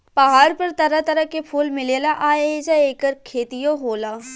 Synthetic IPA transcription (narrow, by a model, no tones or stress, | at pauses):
pɐɦaːɾpɐɾt̪ɐɾat̪ɐɾəkepʰuːlmɪleːlaʔaːeːd͡ʒaeːkəɾkʰeːt̪ijõɦoːlaː